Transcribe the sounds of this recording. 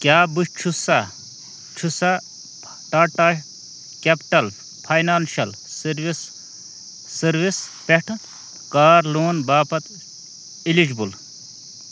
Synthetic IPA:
kjaːbuʃt͡ʃʰusa | t͡ʃʰusa | ʈaːʈa | kʲepʈɐl | pʰɐjnaːnʃɐl | sʋisː | ɐɾʋispeʈʰ | kaːɾloːnbaːpɐt̪ | ilid͡ʒbul

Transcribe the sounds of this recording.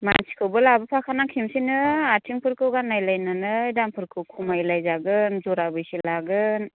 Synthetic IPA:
mansi̥kʰɯwbɯlabɯpʰakʰanakʰimsinɯatʰiŋpʰɯɾkʰɯwɡanːajlajnanɯidampʰɯɾkʰɯwkʰumajlajzaɡɯnzɔɾabɯjsilaɡɯn

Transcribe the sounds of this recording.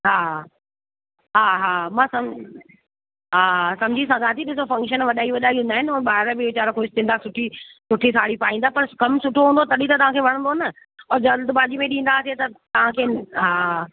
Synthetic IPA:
ɦaː | ɦaːɦaːmãːsɐm | ɦaːsɐ̃md͡ʑʱisãɡaːt̪ʰiɗɪsofɐ̃ŋkʃənʋɐɗaːiʋɐɗaːiɦũnd̪aːɦɪnɪɔːɾɓaːɦɪɾbɪʊt͡ɕaːɾokʰoːɪst̪ɪ̃nd̪asʊʈʰisʊʈʰit̪ʰaːɽipaːĩnd̪aːpɐɾkɐmsʊʈʰoɦũːnd̪ot̪ɐɗit̪ɐt̪ɐʋãkʰeːʋɐɽ̃nd̪oɦnə | ɔːɾd͡ʑɐlt̪baːd͡ʑimẽɗĩːn̆d̪aːset̪ɐt̪ɐʋ̤ãkʰeːɦaː

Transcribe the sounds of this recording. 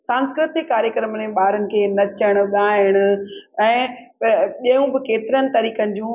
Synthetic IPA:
sãːnskɾɪt̪ɪkːaːɾjəkɾəməneɓaːɾənɪ̆kʰeːnɐt͡ɕəɽ̃ʊɠaːɪɽ̃ʊ̆ɛ̃ː | ʄɐjũbɪkeːt̪ɪɾənɪ̆t̪ɐɾiːkənɪ̆d͡ʑũː

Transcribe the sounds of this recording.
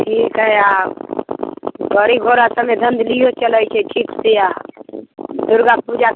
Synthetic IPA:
ʈʰiːkɦəa | ɡʱəɾiɡʱoɾasəmed̪ʱə̃nd̪lijot͡ʃələjt͡ʃʰɛʈʰiːkseja | d̪ʊɾɡapud͡ʒa

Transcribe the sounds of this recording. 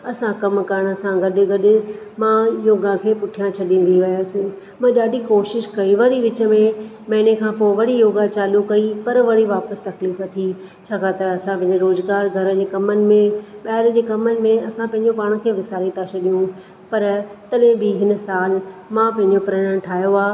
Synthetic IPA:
ɐsãkɐmkɐɾəɽ̃sãɡɐɗɪ̆ɡɐɗɪ̆ | mãjoːɡãkʰeːpʊʈʰijãt͡ɕʰɐɗĩːn̆d̪iʋɪjəsɪ̆ | mãɗaːɖʱikoːʃɪʃkɐiʋɐɽiʋɪt͡ɕə̆mẽ | mɐ̃ɦɪñekʰãːpoɪʋɐɽijoːɡat͡ɕaːlukɐipɐɾʋɐɽ̤iʋaːpəst̪ɐkliːfɐt̪ʰi | t͡ɕʰaːkʰaːt̪əɾɐsãpɐ̃ɦɪ̃ɲd͡ʑeɾoːzɡaːɾɡʱɐɾə̆d͡ʑeːkɐmənɪ̆mẽɓaːɪɾd͡ʑeːkɐmənɪ̆mẽɐsãpɐ̃ɦɪ̃ɲd͡ʑopaːɽ̃ʊkʰeːʋɪsaːɾit̪ʰat͡ɕʰɐɗijũ | pɐɾt̪ɐɗẽbɪɦɪnəsaːlmãpɐ̃ɦɪ̃ɲd͡ʑopɾɐɽəɳ̃ʈʰaːjoaː

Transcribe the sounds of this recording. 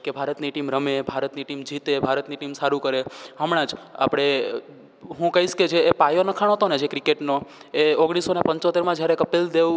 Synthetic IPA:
kebʱaɾət̪niʈimɾəmebʱaɾət̪niʈimd͡ʒʱit̪ebʱaɾət̪niʈimsaɾũkəɾeɦəmɽ̃ãd͡ʒa̰pɽ̃e | ɦũkəɦiʃked͡ʒeːpajonəkʰaɽ̃oɦət̪oned͡ʒekɾikeʈno | eoɡɽ̃isonepə̃ɲt͡ʃot̪eɾmãd͡ʒjaɾekəpild̪eʋ

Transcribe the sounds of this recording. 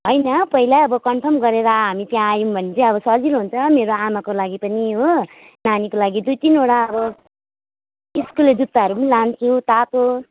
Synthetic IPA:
ɦʌjnʌpʌɦilaʌbʌkʌmpʰʌrmɡʌɾeɾʌɦamit̪jãːjũbʱʌnet͡sʰiẽʌβʌsʌd͡zilɦunt͡sʰʌmeɾoamakolaɡipʌniɦo | nanikolaɡid̪ujt̪inoɽaʌbʌ | iskuled͡zut̪ːaɦʌɾupʌnilant͡sʰĩt̪at̪o

